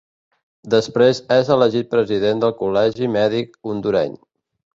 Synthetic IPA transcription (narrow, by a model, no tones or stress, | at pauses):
d̪əspɾezɛzələʒit̪̚pɾəziðend̪əlˠkulɛʒimɛðik̚und̪uɾɛ̰ɲ